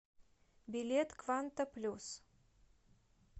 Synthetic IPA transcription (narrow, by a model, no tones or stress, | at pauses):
bʲilʲet̪kvant̪əplʲus